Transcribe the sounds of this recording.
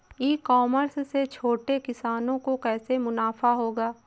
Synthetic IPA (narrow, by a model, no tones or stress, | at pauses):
iːkɔːməɾsset͡ʃʰoːʈekɪsaːnõkokɛːsemʊnaːfaɦoːɡaː